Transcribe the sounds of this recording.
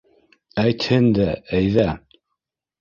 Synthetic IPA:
æjt̪hɘnd̪ææjðæ

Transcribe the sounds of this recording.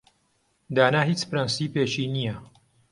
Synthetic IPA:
d̪aːnaːɦiːt͡spɾɐnsiːpeːʃiːnijɐ

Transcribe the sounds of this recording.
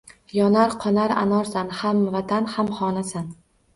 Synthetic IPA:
jɒnaɾqʰɒnaɾa̰nɒɾsanhamvat̪ʰanhamχɒnasan

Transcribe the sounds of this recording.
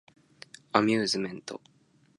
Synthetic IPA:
amʲjɨːzɨmẽ̞nt̪o̞̰

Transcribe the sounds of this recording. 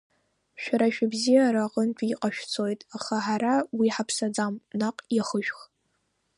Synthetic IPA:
ʃᶣaɾaʃᶣɪbzijaɾaqʼənt͡ʃʷʼiqʼaʃᶣt͡sʰojtʼaχaħaɾawiħapʰsad͡zamnaqʼjaχəʃᶣx

